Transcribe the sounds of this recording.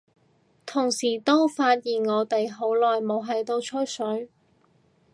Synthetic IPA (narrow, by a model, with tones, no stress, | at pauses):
t̪ʰʊ˨˩ŋsiː˨˩t̪o˥wfaː˧t̚jiː˨nŋɔː˨˧t̪e˨jɦo˨˥wlɔː˨jmo˨˧wɦɐ˨jt̪o˧wt͡ʃʰɵ˥jsɵ˨˥ɥ